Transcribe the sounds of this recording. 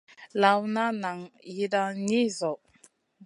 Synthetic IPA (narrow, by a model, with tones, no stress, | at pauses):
la˨wna˦na˨ŋji˦da˦ni˦zɔ˨